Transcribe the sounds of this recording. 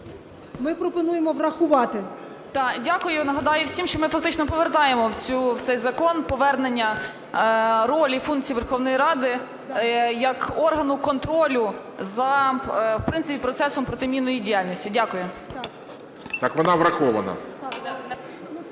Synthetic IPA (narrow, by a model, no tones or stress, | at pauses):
mɪpɾɔpɔnujemɔʋrɐxʊʋɑt̪ɪ | t̪ɑdʲakʊjʊnɐɦɐd̪ɑjʊwsʲimʃt͡ʃɔmɪfɐk̚t̪ɪt͡ʃnɔpɔʋert̪ɑjemɔwt͡sʲuwt̪sɛjzɐkɔnpɔʋɛrnenʲːɐ | ɾɔlʲifunk̚t͡sʲijʋerxɔwnɔjiɾɑd̪ɪ | jɐkɔrɦɐnʊkɔnt̪ɾɔlʲʊ | zɐwpɾɪnsɪpʲipɾɔt̪sɛsɔmpɾɔt̪ɪmʲinɔjidʲijalʲnʲɔsʲtʲidʲakʊjʊ | t̪ɑkʋɔnɑʋɾɐxɔʋɐnɐ̰